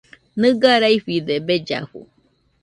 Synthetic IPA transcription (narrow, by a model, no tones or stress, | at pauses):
nɨ̃ɡaɾaiɸid̪ebed͡ʒa̰ɸṵ